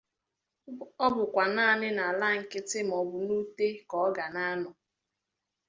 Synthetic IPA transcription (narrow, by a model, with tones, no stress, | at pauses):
ɔ˦bʊ˨kʷa˨naː˦˨nɪ˦na˨la˦ŋ̩˨kɪ˦tɪ˦m̩˨ɔ˨bʊ˨nu˦te˦kɔ˨˦ɡa˨na˦nɔ˨